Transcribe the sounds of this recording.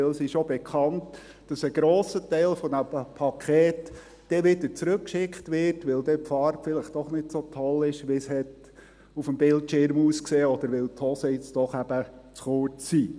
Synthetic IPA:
ɪlsɪʃobɛkʰχɑnt | d̥ɑsəɡ̥ɾoːsətɛɪlfɔdæpʰɑkʰɛːt | d̥ɛʋɪdəɾt͡sɾɵkːʃɪkχtʋɪrtʋɪldɛpfɑɾpfɪlɪχtd̥ɔχnɪtsotʰɔlɪʃʋɪshɛt | ufəmbɪltʃɪɾmuːskseːɔd̪əɾʋɪlthɔsəjɪt͡sd̥ɔχæb̥ət͡sχʊɹt͡sːiː

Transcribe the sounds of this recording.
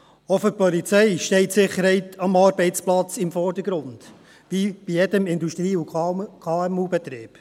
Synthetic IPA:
ɔfʏɾpɔlit͡sɛɪʃtɛɪtsɪχːəɾhɛɪtʰɑmɑɾbɛɪt͡splɑt͡sɪmfɔɾd̥əɡ̥ɾʊnd̥ | ʋib̥ijɛdəmɪnd̪uʃtɾiːukʰɑːɛmuːbɛt̪ɾiːb̥

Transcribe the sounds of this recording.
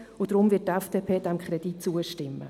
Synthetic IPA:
ʊd̥ɾʊmvɪtɛfd̥eːpʰeːd̥ɛmkʰχɾɛd̥itt͡suəʃtɪmːə̰

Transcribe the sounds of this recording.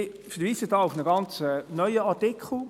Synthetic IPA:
ɪ | fəɾʋiːsədɑːʊfnəɡɑnt͡sɛnœʏəɑtɪkχl̩

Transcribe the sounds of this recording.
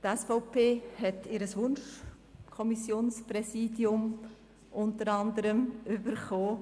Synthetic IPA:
t̪ɛsfɔʊpʰeːhɛtɪɾəsʋʊnʃ | kʰɔmisjoːnspɾɛsiːdiʊm | ʔʊntəɾɑnd̪əɾəmʏbəɾχoː

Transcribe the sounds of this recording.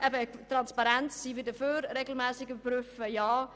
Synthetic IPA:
ʔɛbətrɑnspaɾɛntsiːʋədəføːrreːɡəl̩ˠmɛːsɪɡəbryfəjɑː

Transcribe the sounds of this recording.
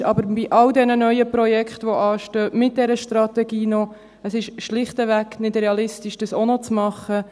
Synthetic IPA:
ɑbəɾbiʔɑwdɛnənœʏəpɾɔjɛkχtʋɔʔɑːʃtøːmɪt̚d̥ɛɾəʃtɾɑt̪ɛɡiːnɔ | əsɪʃʃlɪχtəʋæknɪdreɑlɪstiʃd̥əsonɔt͡smɑχːə

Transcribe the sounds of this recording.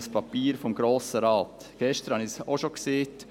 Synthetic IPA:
spʰɑpiːɾfɔmɡɾoːsəɾɑːt | ɡ̥ɛʃtəɾhɑnisoʃokseːt

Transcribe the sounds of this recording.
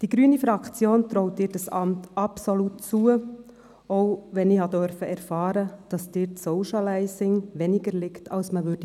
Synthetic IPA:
d̥iɡɾyənifɾɑkt͡sjoːnt̪ɾoʊtiːɾd̥ɑsɑ̰mtɑpsolut̚t͡suə | oʊʋɛniːhɑdœɾfəɛɾfɑːɾəd̥ɑsd̥ɪːɾtsoʊʃalaɪsɪŋʋɛnɪɡəɾlɪktʰɑlsməʋʏd̥ə

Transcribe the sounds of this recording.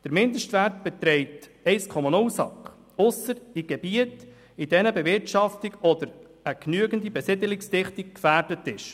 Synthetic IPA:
d̥əɾmɪndəʃtvæɾt̚b̥ɛt̪ɾɛɪtɛɪskʰɔmɔnʊlsɑ̰kχ | ʊsːəɾiɡ̥ɛbiət | id̥ɛnəbɛvɪɾtʃɑftiɡɔd̪əɾ | əknyəɡəndibɛsɪdəlɪksdɪχtik̚kfæːɾd̥ətɪʃ

